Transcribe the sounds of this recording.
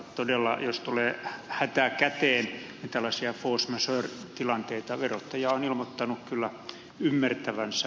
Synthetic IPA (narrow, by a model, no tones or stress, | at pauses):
t̪odelːɑ̰jost̪uleːhæt̪ækæt̪eːnnit̪ælːɑsiɑfoːsmæsørt̪ilɑnt̪eit̪ɑʋerot̪ːɑjɑonilmot̪ːɑnukkylːæ | ymːært̪æʋænsæ